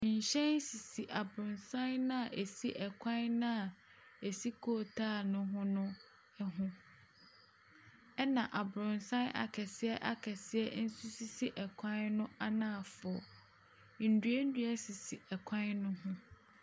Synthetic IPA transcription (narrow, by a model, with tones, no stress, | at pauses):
ɲ̩˨ɕɛ̃˦n˦si˨si˨ʔa˨bɾʊ̃˨nsã˦nnã˦a˨ʔe˨si˦ʔɛ˨kʷʰã˦nnã˦a˨ | e˨si˦kʰo˦˨tʰaː˦˨nʊ̃˦ɦʊ̃˦nʊ̃˦ | ɦʊ̃˦ | ɛ˦nã˨ʔa˨bɾʊ̃˨nsã˦nʔa̰˨kʰɛ˨sɪ˦ɛ˦ʔa˨kʰɛ˨sɪ˦ɛ˦n̩˦su˦si˦si˦ʔɛ˨kʷʰã˦nnʊ̃˦a˦nã˦˨fɔ˨ɔ˨ | n̩˨dɥe˦n̩˦du˦ɛ˦si˨si˨ɛ˨kʷʰã˦nnʊ̃˦ɦʊ̃˦